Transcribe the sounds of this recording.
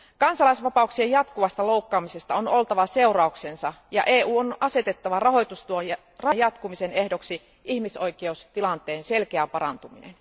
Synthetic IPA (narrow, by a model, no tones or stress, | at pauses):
kɑnsɑlɑisʋɑpɑuksiejɑt̪kuʋɑst̪ɑlowkːɑːmise̞st̪ɑonolt̪ɑʋɑse̞urɑuksensɑjɑ̰ʔeːuːonɑse̞t̪et̪ːɑʋɑrɑɦo̞jt̪ust̪uojjɑ | rɑjɑt̪kumisenehdoksi | ʔihmiso̞jkˑeust̪ilɑnt̪ˑeːnse̞lkeæpɑɾɑ̰nt̪uminḛn